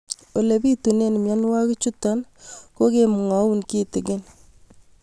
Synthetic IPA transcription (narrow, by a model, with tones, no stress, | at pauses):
o˨le˨bi˦tu˨ne˦˨n˨mja˦nwa˦kɪ˦t͡ʃu˦ta˦nko˦kemu˨ŋa˨u˦nki˦tɪ˨ɡɪn